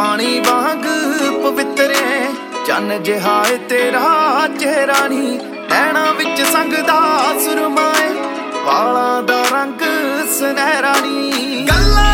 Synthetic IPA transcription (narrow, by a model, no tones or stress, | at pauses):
paːɽ̃iːʋaːɦə̃ŋɡpəʋɪt̪ɾẽ | t͡ʃə̰nd͡ʒeɦaːet̪eːɾat͡ʃeːɾaːniː | pɛːɽ̃ãːʋɪt͡ʃsə̃ŋɡd̪aːsʊɾmaːe | ʋa̰ːɭãːd̪aːɾə̃ŋɡsɛːɾaːniː | ɡəlːaː